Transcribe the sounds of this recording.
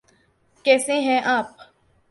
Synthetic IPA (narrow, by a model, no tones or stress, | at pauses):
kɛːsẽɦɛ̃ʔaːp